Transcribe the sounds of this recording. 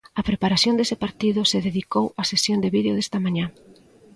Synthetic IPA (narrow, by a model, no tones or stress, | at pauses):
ɐpɾepaɾaθjond̪esɪpaɾt̪iðʊseðeðikowasesjond̪eβiðeoðest̪ɐmãɲã